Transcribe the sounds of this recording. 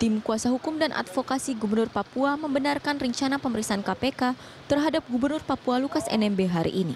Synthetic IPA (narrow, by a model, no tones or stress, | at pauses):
t̪imkuasaɦukʊmdanʔa̰t̪fokasiɡubərnʊrpapuaməmbənarkanrəɲt͡ʃanapəməɾiksaankapeka | t̪ərɦadap̚ɡubərnʊrpapualukasɛ̰nɛmbeɦaɾḭʔːni